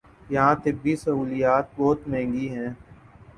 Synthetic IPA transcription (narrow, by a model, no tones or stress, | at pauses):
jɐɦãt̪ɪbːisɐɦuːlijaːt̪̚bɔːt̪mɛ̃ːŋɡiɦɛ̃ː